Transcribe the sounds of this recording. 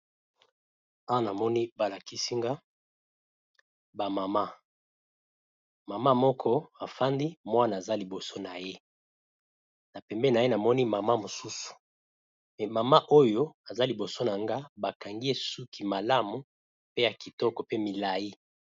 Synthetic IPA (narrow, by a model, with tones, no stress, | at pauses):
a˦wa˦na˨mɔ˦ni˦ba˨la˨ki˦si˦ŋɡa˦ | ba˨ma˨ma˦ | ma˨ma˦mɔ˦kʰɔ˦a˨fa˦ndi˦mwa˦naː˨za˦li˨bo˨so˦na˨je˦ | na˨pɛ˨mbɛ˦˨na˨je˦na˨mɔ˦ni˦ma˨ma˦mo˨su˦su̥˨ | mɛ˨ma˨ma˦ʔo˦jo˦a˨za˦li˨bo˨so˦na˨ŋɡa˦ba˨ka˨ŋɡi˦e˦su˦kʰi˨ma˨la˦mu˨ | pe˦ja˨ki˨tɔ˦kɔ˨pe˦mi˨la˨ji˦